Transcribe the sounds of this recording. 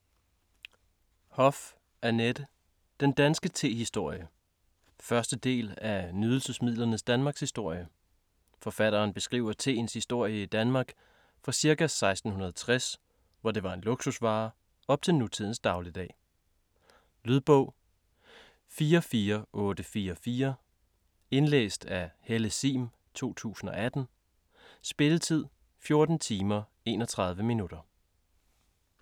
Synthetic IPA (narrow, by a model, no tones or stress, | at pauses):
hɒ̽f | ʔæɐned̥ə | d̥end̥ænsɡ̥ət͡sʰe̝̰ːhisd̥o̝ɐ̰jə | fɶɐsd̥əd̥e̝̰ːlænyð̞ˠl̩səsmið̞̰ˠlɐnəsd̥ænmɑ̈ːɡ̥shisd̥o̝ɐ̰jə | fɒ̽fæɾɐːnb̥e̝sɡ̥ʁḭʊ̰ɐt͡sʰe̝̰ːnshisd̥o̝ɐ̰jəid̥ænmɑ̈ːɡ̥ | fʁɑ̈siɐkæsɑ̈ɪsd̥n̩hunɐðˠt͡sʰʁas | ʋɒd̥e̝ʋɑ̈e̝nlo̝ɡ̥susʋɑ̰̈ː | ɒ̽b̥̚t͡sʰe̝lnut͡sʰiðˠn̩sd̥ɑ̈ʊlid̥ɛ̰ː | lyðˠb̥ɔ̽ʊ̰ | fiːɐfiːɐʔɔ̽ːd̥əfiːɐfiːɐ | e̝nlḛːsd̥æheləsḭːm | t͡sʰo̝̰ːt͡sʰṵːsn̩ɒ̽æd̥n̩ | sb̥e̝lət͡sʰið̞̰ˠ | fjo̝ɐd̥n̩t͡sʰiːmɐ | e̝̰ːnɒ̽t͡sʰʁɑ̈ð̞ˠʋəminud̥ɐ